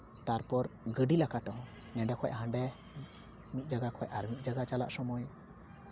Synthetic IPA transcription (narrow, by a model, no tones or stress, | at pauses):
t̪aɾpɔɾɡəɖilakat̪ɔɦɔ̃ | nɛɖɛkʰɔjʔɦãɳɖɛ | mit̪̚d͡ʒaɡakʰɔjʔaɾmit̪̚ˀd͡ʒaɡat͡ʃala̰ʔsɔmɔj